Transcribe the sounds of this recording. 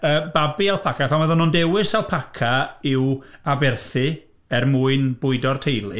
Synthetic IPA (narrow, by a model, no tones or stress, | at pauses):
əːbabialˠpʰakʰafɛməðɔnɔndɛwɪsalˠpʰakʰaɪwabɛrθɨ | ɛrmuːɨnb̥ʊɨdɔrtʰejlˠɪ